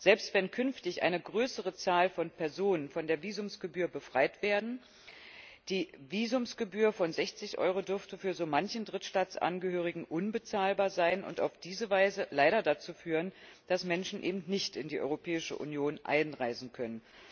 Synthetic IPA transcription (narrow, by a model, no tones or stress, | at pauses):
z̥ɛlpstv̥ɛnkʰʏnftɪçʔa̰ɪnəɡʁøːsəʁ̞ət͡saːlfɔnpʰɛɐzoːnənfɔndeːɐviːzʊmsɡ̥əbyːɐbəfʁ̥aɪtv̥eːɐdn̩ | d̥iːviːzʊmsɡ̥əbyːɐfɔnzɛçt͡sɪçʔɔ̰ʏʁodʏɐftəfyːɐzoːmançn̩dʁɪtʃtaːt͡sʔa̰nɡəɦøːʁ̞ɪɡŋ̩ʔʊnbət͡saːlbaːɐzaɪnʔʊ̰nta̰ʊfd̥iːzəvaɪzəlaɪɾɐdat͡suːfyːʁənd̥asmɛnʃn̩ʔḛːbm̩tnɪçtɪndiːʔɔ̰ʏʁopʰɛːɪʃə̰ʔṵnjoːnʔa̰ɪnʁaɪzn̩kʰœnən